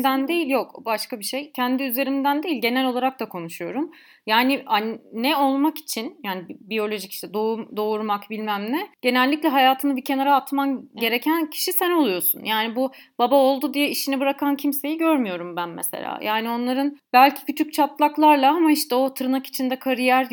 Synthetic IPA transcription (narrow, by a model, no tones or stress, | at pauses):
d̪ænd̪ejilʲjo̞kbaʃkabiʃe̞jcʰænd̪iyze̞ɾimd̪ænd̪e̞jilʲɟe̞nælʲo̞lˠaɾak̚d̪akʰo̞nuʃujo̞̰ɾum | jaːniannːɛo̞lˠmaki̥t͡ʃʰinjaːnibbijo̞lʲo̞ʒici̥ʃt̪ʰɛd̪oumd̪o̞uɾmakbilʲmæmlʲɛɟ̥e̞nɛlʲːicʲlʲɛɦajaːt̪ʰɯnɯbicʰe̞naɾaːt̪manɟe̞ɾe̞cʰæncʰi̥ʃisæno̞lˠujo̞sṵnjaːnibubabao̞lˠd̪ud̪ijɛiʃinɛbɯɾakʰancʰimse̞jiɟøɾmyjo̞ɾumbænmḛsḛlʲa̰ːjʔaːnio̞nlˠaɾɯnbælʲcʰi̥cyt͡ʃ̪ʰyc̚t͡ʃʰat̪lˠaklˠaɾlˠaamaiʃt̪ɛo̞t̪ʰɯɾɯnaki̥t͡ʃʰind̪ɛkʰaɾijæɾ